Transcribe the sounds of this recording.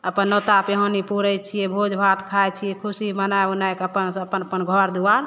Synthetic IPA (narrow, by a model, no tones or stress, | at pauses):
əpənːot̪apeɦonipuɾət͡ʃʰijɛbʱod͡ʒbʱat̪kʰajt͡ʃʰijɛkʰusimənajunajkəpənəpənəpənɡʱɔɾd̪uaɾ